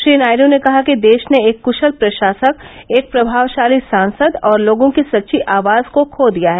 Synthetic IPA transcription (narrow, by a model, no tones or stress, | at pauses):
ʃɾiːnaːɪɾõnekɐɦakid̪eːʃneeːkːʊʃəlpɾɐʃaːsək̚eːk̚pɾɐbʱaːʋʃaːlisãːnsəd̪ɔːɾloːɡõkisɐtːʃʰiʔaːʋaːzkokʰoːd̪ijaɦɛː